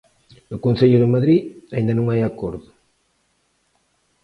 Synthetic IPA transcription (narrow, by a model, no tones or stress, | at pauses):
nʊkonθeʎʊðemaðɾiaĩnd̪ɐnõŋajakoɾðʊ